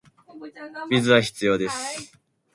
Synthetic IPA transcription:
bʲizɨβaçi̥t͡sɨjo̞ːd̪e̞sɨ̥

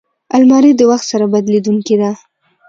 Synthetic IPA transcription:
almɑɾid̪əwaxt̪saɾabad̪led̪uŋked̪a

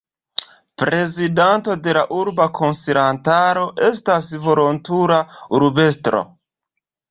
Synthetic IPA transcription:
pɾe̞zidanto̞de̞laʔuɾbakʰo̞nseɾantaɾo̞ʔe̞stasvo̞lo̞ntuɾauɾbe̞stɾo̰

